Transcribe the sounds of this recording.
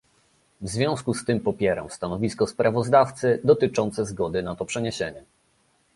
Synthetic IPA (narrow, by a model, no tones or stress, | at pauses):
vzvʲjɔ̃w̃skust̪ɘmpɔpʲjɛɾa̰mst̪anɔvʲiskɔspɾʔavɔzd̪aft̪sɘd̪ɔt̪ɘt͡ʂɔnt̪sɛzɡɔd̪ɘnat̪ɔpʂɛɲeɕeɲɛ